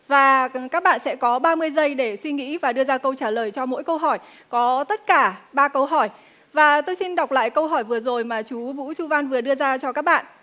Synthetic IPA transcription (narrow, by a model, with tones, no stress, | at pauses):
vaː˨˩kaː˦˥k̚ɓa̰ː˧˨nsɛ̰˧˥kɔ˨˦ɓaː˧mɨ˧əjzə˧jɗe˧˩swi˧ŋḭ˧˥vaː˨˩ɗɨ˧əzaː˧kə˧wt͡ɕaː˧˩ləː˨˩jt͡ɕɔ˧mo̰˧˥jkə˧wɦɔ˧˩j | kɔ˨˦t̪ə˦˥t̚kaː˧˩ɓaː˧kə˧wɦɔ˧˩j | vaː˨˩t̪o˧jsi˧nɗa˨˩wk͡p̚la̰ː˧˨jkə˧wɦɔ˧˩jvɨ˨˩əzo˨˩jmaː˨˩t͡ɕu˨˦vṵ˧˥t͡ɕu˧va˧nvɨ˨˩əɗɨ˧əzaː˧t͡ɕɔ˧kaː˦˥k̚ɓa̰ː˧˨nʔ